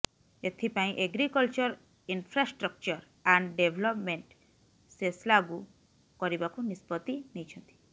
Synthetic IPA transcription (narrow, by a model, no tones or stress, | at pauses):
et̪ʰipaĩʔeɡɾikɔlt͡ʃɔɾ | inpʰɾasʈɾɔk̚t͡ʃɔɾ | aɳɖɖebʱlɔpmeɳʈ | seslaɡu | kɔɾibakunispɔt̪inejt͡ʃʰɔnt̪i̥